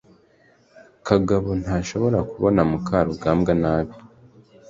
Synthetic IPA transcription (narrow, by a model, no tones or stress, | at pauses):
kaɡaβo̞n̥haːʃo̞βo̞ɾakuβonamukʰaɾuɡaːmɡanaːβi